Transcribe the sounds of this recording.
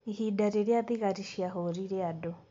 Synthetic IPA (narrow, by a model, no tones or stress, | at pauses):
ihidaɾeɾeaðiɣaɾiʃiaɦoɾiɾeado